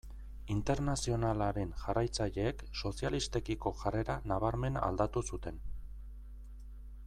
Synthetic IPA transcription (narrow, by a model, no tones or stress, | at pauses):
int̪e̞ɾnasio̞nalaɾe̞nʝarajt͡saʎe̞ːkso̞sialist̪e̞kiko̞ʝare̞ɾanaβ̞aɾme̞na̰ld̪at̪usut̪e̞n